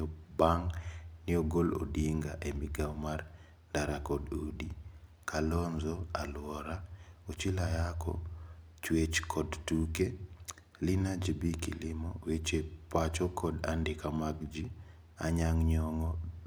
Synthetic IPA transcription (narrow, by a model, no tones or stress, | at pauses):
baŋnɪoɡolo̰diŋɡaʔemiɡaɔmar | daɾakɔdodi | kʰalɔnzɔalwɔɾaot͡ʃilajakɔ̰ | t͡ʃwet͡ʃkʰɔdtuke | lɪnad͡ʒibikḭlɪmɔwet͡ʃepat͡ʃɔkʰɔda̰ndɪkamaɡd͡ʒi | a̰ɲaŋɲɔŋɔ